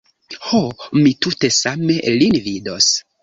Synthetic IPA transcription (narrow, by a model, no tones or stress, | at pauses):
homitute̞same̞linvido̞s